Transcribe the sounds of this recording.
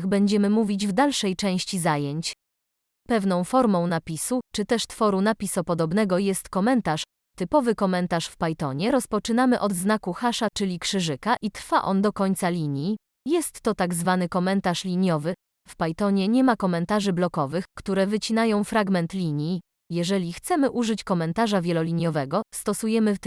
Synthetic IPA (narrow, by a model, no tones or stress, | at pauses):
ɣbɛɲd͡ʑɛmɘmuvʲid͡ʑvd̪alʂɛjt͡ʂɛ̃w̃ɕt͡ɕizajeɲt͡ɕ | pɛvnɔ̃w̃fɔɾmɔ̃w̃napʲisut͡ʂɘt̪ɛʂt̪fɔɾunapʲisɔpɔd̪ɔbn̪ɛɡɔjɛst̪kɔmɛnt̪aʂ | t̪ɘpɔvɘkɔmɛnt̪aʂfpajt̪ɔ̰ɲɛɾɔspɔt͡ʂɘnamɘʔɔd̪znakuxaʂat͡ʂɘlʲikʂɘʐɘkaʔit̪ɾfaʔɔnd̪ɔkɔɲʲt̪salʲiɲji | jɛst̪ːɔt̪aɡzvanɘkɔmɛnt̪aʂlʲiɲjɔvɘ | fpajt̪ɔɲɛɲɛmakɔmɛnt̪aʐɘblɔkɔvɘxkt̪uɾɛvɘt͡ɕinajɔ̃w̃fɾaɡmɛnt̪lʲiɲji | jɛʐɛlʲixt̪sɛmɘʔuʐɘt͡ɕkɔmɛnt̪aʐavʲjɛlɔlʲiɲjɔvɛɡɔst̪ɔsujɛmɘ